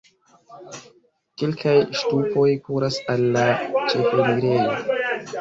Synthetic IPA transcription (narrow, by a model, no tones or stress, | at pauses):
kelkʰajʃtupo̞jkuɾasalːat͡ʃe̞fomiɡɾejo